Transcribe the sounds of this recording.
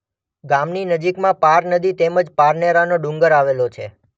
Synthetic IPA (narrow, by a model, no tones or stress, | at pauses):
ɡamninəd͡ʒikmãpaɾnəd̪it̪eməd͡ʒpaɾneɾanoɖũŋɡəɾaʋelot͡ʃʰe